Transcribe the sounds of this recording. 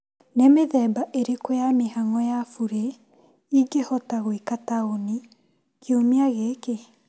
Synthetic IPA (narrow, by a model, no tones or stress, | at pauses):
nemeðɛːbaʔeɾekojamehaŋɔjafuɾe | iɡehɔtaɣoikataoni | kʰeomiaɣeke